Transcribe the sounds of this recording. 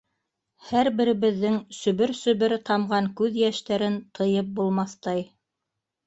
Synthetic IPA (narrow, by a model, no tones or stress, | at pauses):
hæɾbɘ̆ɾɘ̆βɘ̆ðːɘŋsɵ̆βɘɾsɵ̆βɘɾt̪ɑmʁɑŋkʉðjæʃt̪æɾɘnt̪ʰɤ̆jɤp̚bulˠmɑθt̪ɑj